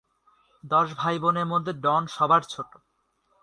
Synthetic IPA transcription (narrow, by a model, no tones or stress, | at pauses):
d̪ɔʃbʱajboneɾmod̪ʱːeɖɔnʃɔbaɾt͡ɕʰoʈo